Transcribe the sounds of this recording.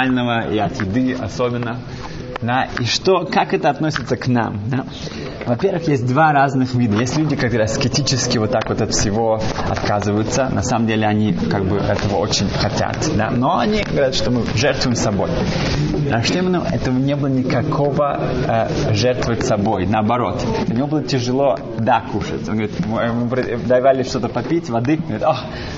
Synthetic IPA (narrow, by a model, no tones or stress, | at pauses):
lʲnəvəiɐt̪jɪd̪ɨɐ̰sobʲɪnːə | d̪aiʂt̪okakɛt̪əɐt̪nosʲɪ̥t̪səkna̰md̪a | vɐpʲervɨxjesʲt̚ʲd̪varaznɨxvʲid̪əjesʲtʲlʲudʲɪkɐk̚t̪oɾɪɐskʲɪtʲit͡ɕɪskʲɪvot̪ːakvo̞t̪ɐt̪fsʲɪvo̞ɐ̰t̪kazɨvəjʊt̪sənʔɐsaməmdʲelʲɪɐnʲikaɡ̚bɨʔɛ̰t̪əvəo̰t͡ɕɪnʲxɐtʲa̰t̪d̪a̰noɐnʲiɡəvɐɾʲat̪ʂt̪omɨʐɛrt̪vʊɪmsɐbo̞̰j̪ | ɐʂt̪emənʊʔɛ̰t̪əvənʲebɨlˠənʲɪkɐkʰo̞və | ʐɛrt̪vəsɐbo̞jnəɐbɐɾo̞t̪ʊnʲɪvo̞bɨlˠətʲɪʐɨlˠo̞ | d̪akuʂə̰tʲonɡɐvɾʲit̪mmɨpɾəd̪ɐjvalʲɪʂt̪o̞t̪əpɐpʲitʲvɐd̪ɨnɡvɾʲit̪ox